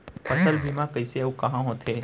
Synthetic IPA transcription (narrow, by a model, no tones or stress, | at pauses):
pɐsəlbʱimãkəiseɐukɐɦãɦõt̪ʰeː